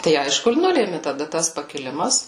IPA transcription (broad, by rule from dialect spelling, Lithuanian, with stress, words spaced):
tɐɪ ˈɐɪʃkʊ ɪr ˈnʊlʲeːmʲɪ tɐˈdɐ tɐs pɐkʲɪˈlʲɪmɐs